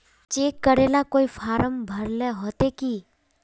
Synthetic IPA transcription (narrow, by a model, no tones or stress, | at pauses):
t͡ʃeːkːəɾeːlakoːifʰaːɾəmbʱəɾleɦoːt̪ekiː